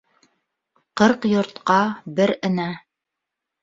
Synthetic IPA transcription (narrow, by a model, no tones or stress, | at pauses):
qɤɾqjŏɾt̪qɑbɘɾɘ̆næ